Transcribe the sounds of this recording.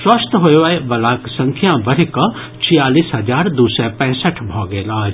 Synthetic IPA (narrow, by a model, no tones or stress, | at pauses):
swəst̪ʰɦoːjʋaeʋɐlaːksɐ̃ŋkʰjãʋɐɾikə | t͡ʃʰijaːliːsɦɐd͡ʒaːɾd̪uːsɛpɛ̃ːsəʈʰbʱɔːɡeːlaːd͡ʒ